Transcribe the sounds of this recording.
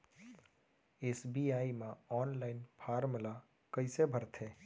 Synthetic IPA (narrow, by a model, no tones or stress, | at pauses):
eːsbiaːimãɔːnlaːɪnpʰaːɾmɪla | kəɪsebʱəɾt̪ʰeː